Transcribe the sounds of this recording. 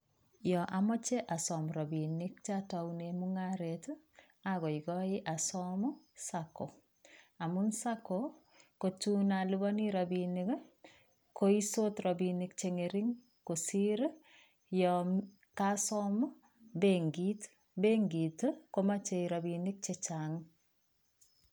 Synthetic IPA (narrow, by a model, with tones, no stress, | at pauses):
jɔ˨ʔamɔ˦t͡ʃe˦ʔa˨sɔmɾɔ˨bi˨nɪ˦k̚t͡ʃa˦ta˨une˨muŋaɾet | a˦ɡɔ˨iɡɔ˦ɪ˦ʔa˨sɔmɔ˦ | sako˨ | a˨munsa˦ko | ko˨tu˦na˨lu˦bɔ˦niɾabini˦k | ko˦i˦so˦trɔ˨bini˨k̚t͡ʃe˨ŋeɾi˦ŋ | ko˨si˦ɾ | jɔm | kasɔmɔ˦ | beŋɡit | beŋɡi˨tkoma˦t͡ʃe˨iɾa˨bi˨ni˦k̚t͡ʃet͡ʃaŋ